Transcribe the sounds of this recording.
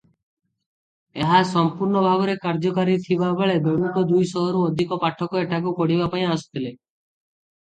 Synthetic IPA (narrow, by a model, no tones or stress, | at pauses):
eɦasɔmpuɾɳɔbʱaɡɔɾekaɾd͡ʒɔkaɾit̪ʰibabeɭed̪ɔnut̪ɔd̪ujsɔɦɔɾuɔd̪ʱikɔpaʈʰɔkɔeʈʰakukɔɽibapaĩasɔ̥t̪ʰile